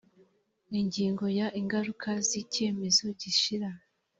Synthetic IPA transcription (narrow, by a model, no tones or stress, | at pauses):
iɲɟiːŋɡo̞jaʔiŋɡaɾukʰazice̞ːme̞zo̞ɟiʃiɾa